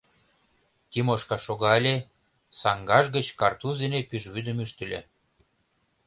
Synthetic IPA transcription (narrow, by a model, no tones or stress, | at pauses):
t̪imoʃkɑʃoɣɑlʲe | sɑŋɡɑʒɡət͡ɕkɑrt̪uzd̪enepyʒβyd̪ə̆myʃt̪ə̆lʲḛ